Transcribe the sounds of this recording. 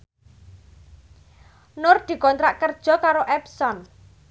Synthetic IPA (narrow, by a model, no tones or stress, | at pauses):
nʊrd̪̥i̤kɔnt̪ɾaʔkərd̥ʒ̥ɔ̤kaɾoʔɛpsɔn